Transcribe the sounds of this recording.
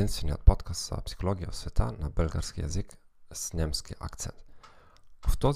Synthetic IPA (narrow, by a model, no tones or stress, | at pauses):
inst̪fɛnʲiɔ̰t̪̚pɔt̪kast̪sɔ̰a̰psi̥xɔlɔɡʲjaɔsfʲɛt̪ʰa̰nabɛlɡa̰ɾskʲija̰zɘk | z̥ɲʲɛmskʲiʔa̰kt̪sɛ̰nt̪ | ft̪ɔ